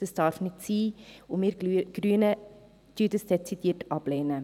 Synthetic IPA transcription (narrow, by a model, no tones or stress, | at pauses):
d̥əsd̥ɑrfnɪtsiːʊmiɾɡ̥ryənə | tyːdəsd̥ɛt͡sitiːətʰʔɑbleːnə